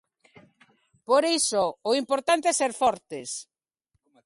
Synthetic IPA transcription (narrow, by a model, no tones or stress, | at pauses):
poɾejsoːimpoɾt̪ant̪eɛseɾfɔɾt̪ɪs